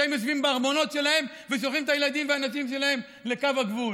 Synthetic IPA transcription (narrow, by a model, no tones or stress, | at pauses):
emjosvimbeaʁmo̞no̞tʃe̞lahe̞m | ves̬olχimet̪ajelad̪imveanasimʃe̞lahe̞m | le̞kavaɡvul